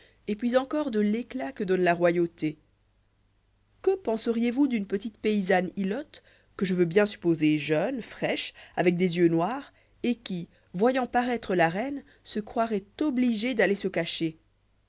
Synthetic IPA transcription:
epɥizɑ̃kɔʁd̪əleklakəd̪ɔnlaʁwajot̪e | kəpɑ̃səʁijevud̪ynpət̪it̪peizanilɔt̪ | kəʒəvøbjɛ̃sy̥pozeʒœnfχɛʃavɛk̚d̪ezjønwaːʁ | ekʲi | vwajɑ̃paʁɛt̪χəlaʁɛn | səkχwaʁɛt̪ɔbliʒed̪alesəkaʃe

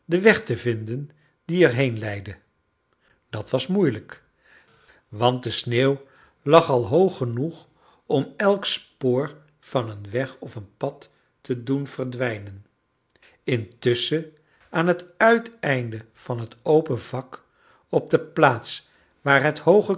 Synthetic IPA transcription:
dəʋɛχtəvɪndən | diɛɹɦejnlɛjdə | d̥ɑtʋɑsmujlək | ʋɑnt̚dəsneːw | lɑχɑlˠɦowχənuχ | ɔmɛlˠkspoːɹ | v̥ɑnənʋɛχɔfənpɑtː | ədunv̥ərdʋɛjnən | ɪntʏsə | aːnɦətœɥtɛjndə | v̥ɑnɦətowpənvɑk | ɔb̚dəplaːts | ʋaːɹɦəthowχə

